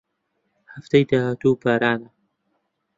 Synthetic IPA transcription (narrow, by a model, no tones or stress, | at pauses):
haft̪ajd̪ahat̪uːpaːɾaːnɐ